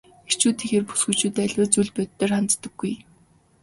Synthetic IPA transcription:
er̥t͡ɕuːt̪ʰiːxeːrpu̥sɡŭjt͡ɕuːt̪æɮʲwʊːt͡suɮpœt̪ːeːrχant͡st̪ə̆ɡ̥ːuj

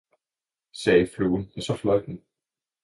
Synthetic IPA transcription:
seːjɪfluːʏnɛnsɔflœɥt̪nɪ

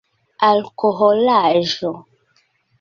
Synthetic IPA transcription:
alkoɦolaʒo

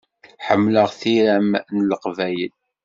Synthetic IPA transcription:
ħəmːləʁθiɾæmnləqvæjəl

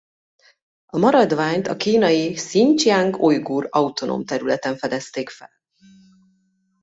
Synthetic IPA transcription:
ɒmɒɾɒd̪ʋaːɲt̪ɒkiːnɒjisiɲt͡ʃjaːŋkojɡuːrɒut̪o̞no̰mt̪ɛɾylɛt̪ɛɱfɛd̪ɛst̪eːkfɛl

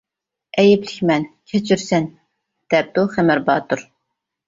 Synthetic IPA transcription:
ɛjɪplɪkʲmɛnkʲʰɛt͡ʃʰyɾsɛn | d̪̥ɛp̚d̪uχæmæɾbɑːt̪uɾ

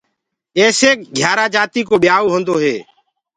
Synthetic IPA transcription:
eːseːk̚ɡʱjaːɾaːd͡ʒaːt̪iːkoːɓɪjaːoːɦõnd̪oːɦeː

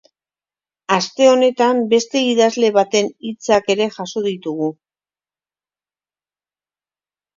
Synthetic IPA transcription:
ast̪e̞o̞ne̞t̪ambe̞st̪e̞iðazle̞βat̪e̞nit͡sake̞ɾe̞ʝaso̞ð̞it̪uɣu

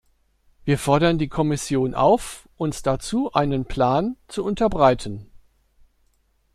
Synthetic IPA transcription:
viːɐfɔɐɾɐndiːkʰɔmɪsjoːnʔa̰ʊfʔʊnsd̥at͡suːʔa̰ɪnənpʰl̥aːnt͡suʊntɐbʁaɪtʰən̩

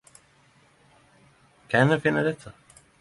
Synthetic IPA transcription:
kʰaɛfɪnːad̪ɛt̪ʰːa

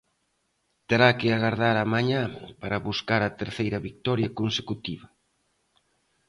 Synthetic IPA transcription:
t̪eɾakɪaɣaɾðaɾamaɲãpaɾɐβuskaɾɐt̪eɾθejɾɐβik̚t̪ɔɾjɐkonsekut̪iβɐ

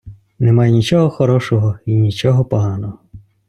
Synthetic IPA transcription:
nemɑjnʲit͡ʃɔɦɔxɔɾɔʃɔɦɔinʲit͡ʃɔɦɔpɔɦɑnɔɦɔ

